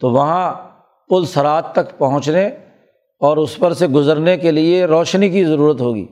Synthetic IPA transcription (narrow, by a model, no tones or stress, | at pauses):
t̪oːʋɐɦã | pʊlsɐɾaːt̪t̪ɐkpɐɦʊ̃t͡ʃne | ɔːɾʊspɐɾseɡʊzəɾnekelieɾɔːʃnikizɐɾuːɾət̪ɦoːɡḭː